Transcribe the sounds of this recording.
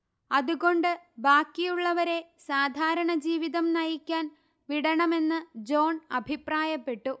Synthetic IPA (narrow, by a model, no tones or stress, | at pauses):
ɐðuɣo̞ɳɖɨbaːkːijuɭːɐʋɐɾe̞saːd̪ʱaːɾɐɳɐd͡ʑiːʋiðɐmnɐjikʲːaːn | ʋiɽɐɳɐme̞nːɨd͡ʑo̞ːɳɐbʱipraːjɐpːe̞ʈːu